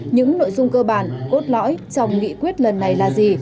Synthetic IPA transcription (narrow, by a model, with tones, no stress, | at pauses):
ɲɨ̰˧˥ŋno̰˧˨jzʊ˧ŋ͡mkəː˧ɓaː˧˩nko˦˥t̚lɔ̰˧˥jt͡ɕɔ˨˧wŋ͡mŋḭ˧˨kwi˦˥ət̚lə˨˩nːa˨˩jlaː˨˩zi˨˩